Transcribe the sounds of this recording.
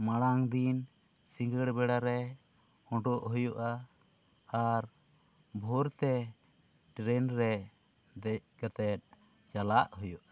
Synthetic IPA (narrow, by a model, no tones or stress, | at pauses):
maɽaŋd̪in | siŋɡəɽbɛɽaɾɛ | ɔɖɔʔɦujuʔaː | ɾ | bʱɔɾt̪ɛ | ʈɾɛnɾɛ | d̪ɛɡat̪ɛt̪̚ˀ | d͡ʒalaʔhujuʔa